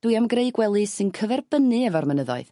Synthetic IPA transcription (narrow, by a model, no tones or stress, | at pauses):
d̥uɨamɡreɨɡwɛlˠɨsɨnkʰəvɛrb̥ənɨɛvɔrmənəðɔ̰ɨð